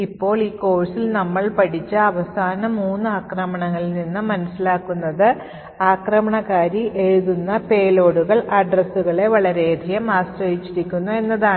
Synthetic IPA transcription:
ipːo̞ːɭiːko̞ːɻsilnɐmːɐɭpɐɽit͡ɕːɨɐʋɐsaːnɐmuːnːɨaːkrɐmɐɳɐŋːɐɭininːɨmɐnɐsilaːkːunːɐðɨ | aːkrɐmɐɳɐɣaːɾiʔe̞ɻuðunːɐpe̞ːlo̞ːɽuɣɐɭɐɖrɐsuɣɐɭe̞ʋɐɭɐɾe̞ːd̪ʱijɐmaːsrɐjit͡ɕːiɾikʲːunːue̞nːɐðaːɳ

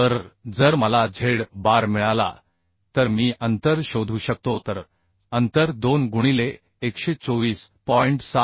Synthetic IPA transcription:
əɾd͡zəɾməlad͡zʱeɽbaɾmiɭala̰ | t̪əɾmiːʔənt̪əɾɕod̪ʱuːɕək̚t̪ot̪əɾ | ənt̪əɾd̪onɡuɽ̃ileː | kɕet͡soʋiːspɔiɳʈsa

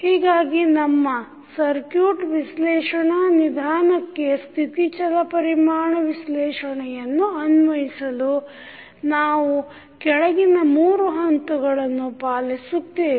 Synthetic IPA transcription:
hiːɡaːɡinɐmːɐ | sɐɾkjuːʈʋislɛːʂɐɳɐnid̪ʱaːɳɐkːe̞st̪ʰit̪it͡ʃɐlɐpɐɾimaːɳɐʋislɛːʂɐɳɛjɐnːuɐnʋɐɦisɐlu | naːʋu | kɛɭɐɡinɐmuːɾuɦɐnt̪uɡɐɭɐnːupaːlisut̪eː

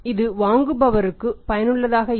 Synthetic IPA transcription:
ɪðɯʋaːŋɡɯbɐʋɐɾɯkːɯpɐjɐnɯɭːɐðaːɣɐ

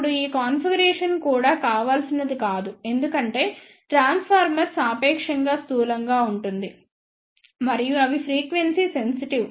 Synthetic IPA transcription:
uɽuiːkaːnpʰiɡɐɾɛːʂɐnkuːɽaːkaːʋaːlɐsinɐd̪ikaːd̪ue̞nd̪ukɐɳʈe̞ː | ʈɾaːnspʰaːɾmɐɾsaːpɛːkʂɐŋɡaːst̪uːlɐŋɡaːuɳʈund̪i | mɐɾijuɐʋipʰɾiːkʋensise̞nsiʈiʋ

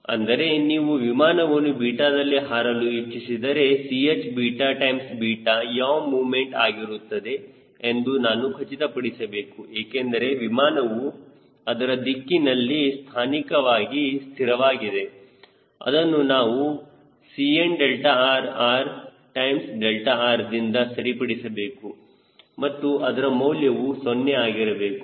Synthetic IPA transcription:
ɐ̰nd̪ɐɾe̞niːʋuʋimaːnɐʋɐnːubiːʈaːd̪ɐlːiɦaːɾɐluit͡ʃːisid̪ɐɾe̞siet͡ʃbiːʈaːʈɐjmsbiːʈajaːʋmuːʋmeɳʈaːɡiɾut̪ːɐd̪e̞ː | nd̪unaːnukʰɐt͡ʃit̪ɐpɐɽisɐbe̞ːkueːkend̪ɐɾe̞ʋimaːnɐʋu | ɐd̪ɐɾɐd̪ikːinɐlːist̪ʰaːnikɐʋaːɡist̪ʰiɾɐʋaːɡid̪e | ɐ̰d̪ɐnːunaːʋu | sienɖelʈaaːɾaːɾ | ʈɐjmsɖelʈaaːɾd̪ind̪ɐsɐɾipɐɽisɐbe̞ːku | mɐt̪ːuʔɐd̪ɐɾɐmɐwljɐʋusonːeaːɡiɾɐbe̞ːku

